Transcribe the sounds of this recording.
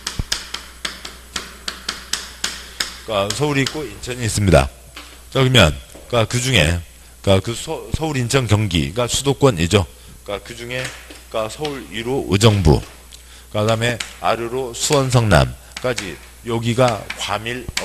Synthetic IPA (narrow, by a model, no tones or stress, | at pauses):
kasʰʌuɾik͈oint͡ɕʰʌɲiːs͈ɯmɲida̰ | kʌɡɯmjʌ̰nkakɯd͡ʑuŋe̞̰ | kakɯsʰʌuɾint͡ɕʰʌŋkjʌŋɡḭɡasʰudok͈wʌnid͡ʑo | kakɯd͡ʑuŋe̞kasʰʌuɾiɾoʔɯd͡ʑʌŋbṵ | kadame̞aɾjɯɾosʰuwʌnsʰʌŋna̰m | k͈ad͡ʑi | jʌɡiɡakwamiɭʌ